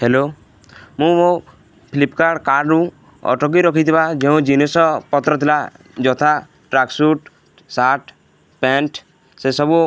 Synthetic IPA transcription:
helo | mũo | pʰilipkaɽkaɾɾũ | ɔ̰ʈɔk̬iɾɔkʰit̪ʰibad͡ʒeũd͡ʒinisɔpɔt̪ɾɔt̪ʰila | d͡ʒɔt̪ʰa | ʈɾaksuʈ | saʈ | peɳʈʰ | sesɔbu

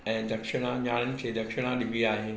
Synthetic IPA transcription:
ɛ̃ːd̪ɐkʃɪɽ̃ãɲaːnənɪ̆kʰeːd̪ɐkʃɪɽ̃ãɗɪbiaːɦɪnɪ

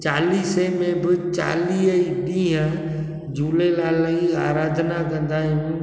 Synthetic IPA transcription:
t͡ʃaːliːsemẽbɪt͡ʃa̰ːliːɦəiɗĩɦã | d͡ʒuːlelaːləiaːɾaːd̪ʱnakɐ̃nd̪aːɦiɦũː

